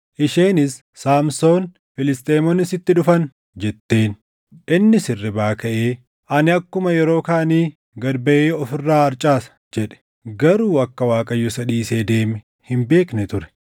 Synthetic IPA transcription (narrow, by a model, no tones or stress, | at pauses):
ʔɪʃeːnɪs | sːaːmso̞ːn | fɪlɪst̪ʼeːmɔnɪsɪt̪ːɪᶑʊfɐn | d͡ʒɛt̪ːe̞ːn | ʔɪnːɪsɪrːɪbaːkɐʔeː | ʔɐnɪɐkːʊmɐjɛɾo̞ːkaːniː | ɡɐɾbɐʔeːɔfɪrːaːɐɾt͡ʃʼaːsɐ̥ | d͡ʒɛᶑɛ̥ | ɡɐɾuːɐkːɐwaːkʼɐjːɔsɐd̪iːseːd̪e̞ːmɛ | hɪmbe̞ːknɛt̪ʊɾɛ̥